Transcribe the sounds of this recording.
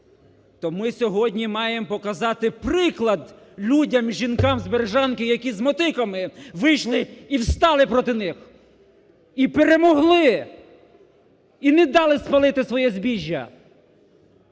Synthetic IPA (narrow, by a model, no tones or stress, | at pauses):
t̪ɔmɪsʲɔɦɔdʲnʲimɑjempɔkɐzɑt̪ɪpɾɪklˠɐd̪ | lʲudʲɐmʒʲinkɑmzʲbeɾʒɑnkɪjɐkʲizmɔt̪ɪkɐmɪʋɪjʃlˠɪiwst̪ɑlˠɪpɾɔt̪ɪnɪx | ipeɾemɔɦlˠɪ | inɛd̪ɑlˠɪspɐlˠɪt̪ɪsʋɔjɛzʲbʲiʒʲːɐ̰